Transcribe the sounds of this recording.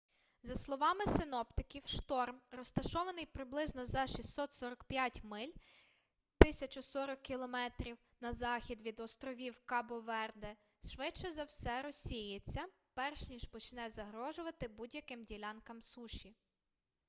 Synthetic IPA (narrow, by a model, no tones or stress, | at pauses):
zɐslˠɔʋɑmɪsɪnɔpt̪ɪkʲiwʃt̪ɔrmrɔst̪ɐʃɔʋɐnɪjpɾɪblˠɪznɔzɐʃʲisːɔt̪sɔɾɔkpʲjatʲmɪlʲ | t̪ɪsʲɐt͡ʃʊsɔɾɔkːilˠɔmɛt̪ɾʲiw | nɐzɑxʲid̪ʋʲid̪ɔst̪ɾɔʋʲiwkɑbɔʋɛrd̪ɛ | ʃʃʋɪt͡ʃːɛzɐwsɛɾɔsʲːijet͡sʲːɐ | pɛrʃnʲiʒpɔt͡ʃnɛzɐɦɾɔʒʊʋɐt̪ɪbudʲjɐkɪmdʲilʲɑnkɐmsuʃʲi